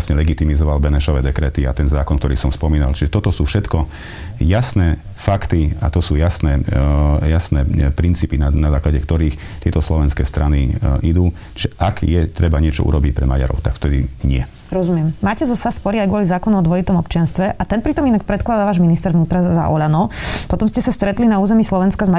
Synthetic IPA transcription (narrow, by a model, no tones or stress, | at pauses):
sɲɛlɛɡit̪imizɔʋalbɛnɛʃɔʋɛːd̪ɛkɾɛːt̪iat̪ɛnzaːkɔnkt̪ɔɾiːsɔmspɔmiːnalt͡ʃiʒɛt̪ɔt̪ɔsuːfʃɛt̪kɔ | jasnɛ | fakt̪ia̰t̪ɔsuːjasnɛːjasnɛːpɾint͡siːpinnazaːklaɟɛkt̪ɔɾiːx | t̪ɪɛt̪ɔslɔʋɛnskɛːst̪ɾaniid̪uː | t͡ʃiʒɛʔakjɛt̪ɾɛbaɲɪɛt͡ʃɔ̰ṵɾɔbicpɾɛmaɟa̰ɾɔ̰ʊt̪akft̪ɛd̪iɲɪɛ | ɾɔzumɪjɛmmaːcɛzɔsaspɔɾiajɡʋʊɔlizaːkɔnɔɔd̪ʋɔit̪ɔmɔpt͡ʃɪanst̪ʋɛʔat̪ɛnpɾit̪ɔminak̚pɾɛt̪klad̪aʋaːʒminist̪ɛɾʋnuːt̪ɾaza̰ʔɔʎanɔpɔt̪ɔmscɛsast̪ɾɛt̪linauːzɛmislɔʋɛnskazma